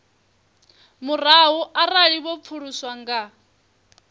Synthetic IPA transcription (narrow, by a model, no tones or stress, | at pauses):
muraɦuʔaraɺibɔp̪fʰuɺuswaŋɡa